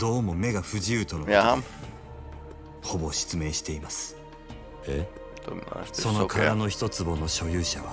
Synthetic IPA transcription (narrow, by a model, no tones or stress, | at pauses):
d̪̥o̞ːmo̞me̞ɡaɸɯ̟ʑiɯːt̪o̞noo | ho̞bo̞ɕi̥t͡sɨme̞ːɕi̥t̪e̞imasɨ̥ | sso̞no̞kʰaɾano̞çi̥t̪o̞t͡sɨbo̞no̞ɕo̞jɯːɕaβa